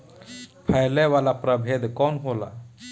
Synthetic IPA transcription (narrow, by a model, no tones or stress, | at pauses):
pʰajleʋalapɾəbʱed̪kɔnɦola̰